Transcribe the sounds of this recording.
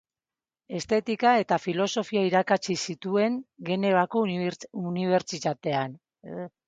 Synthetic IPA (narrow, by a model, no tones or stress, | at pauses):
e̞st̪e̞t̪ikae̞t̪afilo̞so̞fiaiɾakat͡ʃisit̪ue̞ŋɡe̞ne̞βako̞uniβ̞e̞ɾt͡ʃit̪at̪e̞an